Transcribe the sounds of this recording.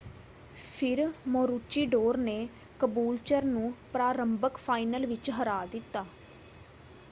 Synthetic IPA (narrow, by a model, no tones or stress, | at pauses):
pʰɪɾmɔ̃ːɾut͡ʃiːɖoːɾneː | kəbuːlt͡ʃəɾnũːpɾaːɾəmbəkpʰaːinəlʋɪt͡ʃɦəɾaːd̪ɪt̪ːaː